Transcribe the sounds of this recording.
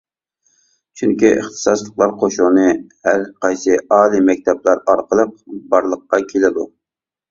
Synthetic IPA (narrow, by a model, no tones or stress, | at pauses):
t͡ʃʰyŋkʲiʔə̰χt̪ʰɨ̥sɑslˠəqlˠɑɾqʰoʃunɨhæɾqɑjsɨɑːlˠimɛk̚ʲt̪ʰɛblˠɑɾɑɾqəlˠəq̚bɑɾlˠəqːɑkʲʰelɪd̪u